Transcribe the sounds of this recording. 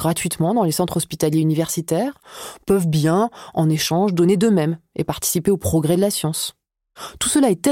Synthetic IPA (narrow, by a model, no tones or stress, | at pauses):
ɡʁat̪ɥit̪mɑ̃d̪ɑ̃lesɑ̃t̪χɔspit̪aljeynivɛʁsit̪ɛːʁpœvbjɛ̃ɑ̃neʃɑ̃ʒd̪ɔned̪əmɛmḛpaʁt̪i̥sipeopχɔɡʁɛd̪əlasjɑ̃s | t̪usəlaɛt̪ɛ